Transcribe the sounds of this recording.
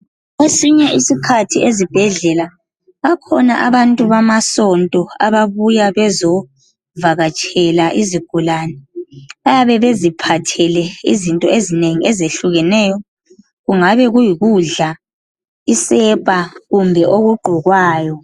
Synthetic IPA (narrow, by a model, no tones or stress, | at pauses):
ɣesiɲɛisikʰatʰiezib̥ʱɛɮɛla | βakʰɔna̰ʔaβantʼuβamasɔntʼɔaβaβujaβɛzɔ | vaɣat͡ʃʼɛlaʔiziɡ̥ʱulaːnɛβajaβɛβezipʰatʰɛlɛḭzintʼɔezineŋiezeɬuɣɛnɛːjɔ | ɣuŋaβɛɣujiɣuɮa | isɛpʼaɣumbʱɛʔoɣuɡ͡ǃʱɔɣwaːjɔ